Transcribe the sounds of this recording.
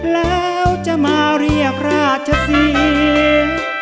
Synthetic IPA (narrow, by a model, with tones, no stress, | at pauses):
lɛː˦˥wt͡ɕa˧˩maː˧ɾi˧˩ək̚ɾaː˧˥˩t̪̚t͡ɕʰa˧˥t̪ʰi˧